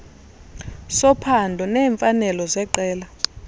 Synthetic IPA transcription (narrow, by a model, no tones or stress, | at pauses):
sɔpʰandʱɔnɛːɱfanɛlɔzɛǃɛːla